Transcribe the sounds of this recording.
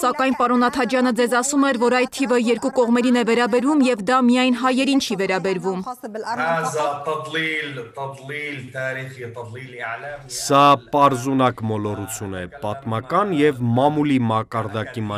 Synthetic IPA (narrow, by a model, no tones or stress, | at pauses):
sɑkɑjnpɑɾɔnɑt̪ʰɑd͡ʒjɑnəd͡zɛzɑsumɛɾvɔɾɑjd̪̚t̪ʰivəjɛɾkukɔʁmɛɾinɛvɛɾɑbɛɾvumjɛvd̪ɑmijɑjnɦɑjɛɾint͡ʃʰivɛɾɑbɛɾvumazt̪ɑt̪lilt̪t̪lilt̪ʰɑːɾiχi | sɑpɑɾzunɑkmɔlɔrut͡sʰjunɛ̰pɑt̪mɑkɑnjɛvmɑmulimɑkɑɾd̪ɑkim